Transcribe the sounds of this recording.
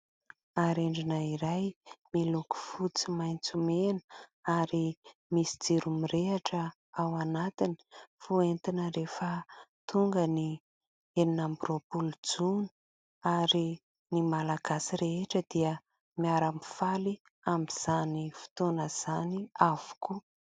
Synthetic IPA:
aɾeɳɖ͡ʐinaiɾajmiluku̥fut͡simajnt͡sumenə̥aɾimisi̥d͡ziɾumiɾeaʈ͡ʂə | awanat̪ini̥fuent̪inəɾefət̪uŋɡəni | eninambɾopuld͡zuni̥ | aɾi | nimalaɡasiɾeeʈ͡ʂəd̪̥iə | miaɾəmifali | amiz̥anifi̥t̪onəz̥aniavu̥ku

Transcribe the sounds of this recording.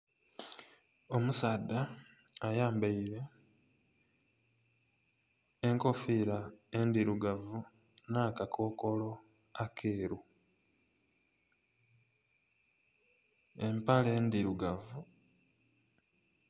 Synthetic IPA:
o̞musaːdːaː | jaːmbaiɾe̞ | e̞ŋko̞fiɾae̞ndiɾuɡavu | naːkakʰo̞ːko̞lo̞ | akʰe̞ːɾu | mpale̞ːndiɾuɡavu

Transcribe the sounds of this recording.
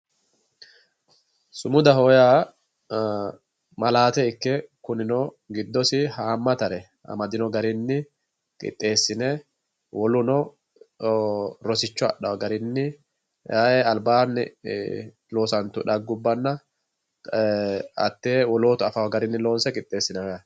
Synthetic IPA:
sʊmʊd̪ɐɦɔːjaː | mɐlaːt̪ɛɪkːɛkʊnɪnɔ | ɡɪd̪ːɔsɪhaːmːɐt̪ɐɾɛ | ʔɐ̰mɐd̪ɪnɔɡɐɾɪnːɪ | kʼɪ̰t̪ʼːe̞ːsːɪnɛ | wɔlʊnɔ | ɾɔsɪt͡ʃːɔɐ̰ɗɐwɡɐɾɪnːɪ | aːjɛɐlbaːnːɪ̰ | loːsɐnt̪ʊᶑɐɡːʊbːɐnːɐ | ɐ̰t̪ːeːwɔlo̞ːt̪ʊɐfɐwɡɐɾɪnːɪlo̞ːnsɛkʼɪt̪ʼːe̞ːsːɪnɐjɐ

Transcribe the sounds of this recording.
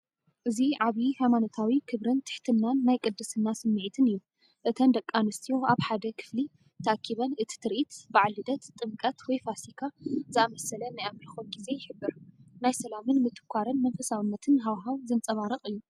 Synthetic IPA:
ʔɨziʕaβihajmanot̪ʰawikʰɨβɾɨnt̪ʰɨ̥ħt̪ʰɨnːanːajkʼɨd̪ːɨsɨnːasɨmːɨʕit̪ʰɨnɨjːu | ʔɨt̪ʰɐnd̪ɐkʼːanɨst̪ʰijo̞ʔaβħad̪ɐkʰɨ̥fli | t̪ʰɐʔakʰːiβɐnʔɨt̪ʰi̥t̪ʰɨɾʔit̪baʕlɨd̪ɐt̪t̪ʼːɨŋkʼɐt̪wɔjfasikʰazɨamɐsɐlɐnajamxonɡize̞jɪħɨbːɨɾnajsɐlamɨnmɨt̪ʰɨ̥kʷʰːaɾɨnmɐnfɐsawɨnːɐt̪ʰɨnɦawɦawzɨnt͡sʼɐβaɾɨχʼɨjːu

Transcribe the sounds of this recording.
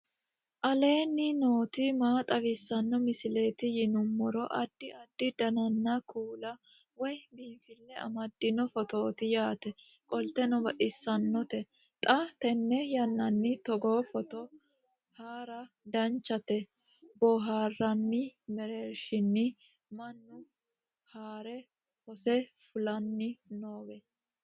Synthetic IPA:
ʔɐle̞ːnːɪno̞ːt̪ɪmaːt̪ʼɐwɪsːɐnːɔmɪsɪle̞ːt̪ɪjɪnʊmːɔɾɔʔɐd̪̥ːɪʔɐd̪ːɪd̪ɐnɐnːɐkʰuːlɐ | wɔjbiːnfɪlːɛɐ̰mɐd̪ːɪnɔfɔt̪o̞ːt̪ɪjaːt̪ɛ | kʼɔlt̪ɛnɔbɐʔʼɪsːɐnːɔt̪ɛ | t̪ʼɐt̪ɛnːɛjɐnːɐnːɪt̪ɔɡoːfɔt̪ɔ | haːɾɐ | d̪ɐnt͡ʃːɐt̪ɛ | bɔɦaːrːɐnːɪmɛɾeːɾʃɪnːɪ | mɐnːʊ | haːɾɛ | hɔsɛfʊlɐnːɪnoːbɛ

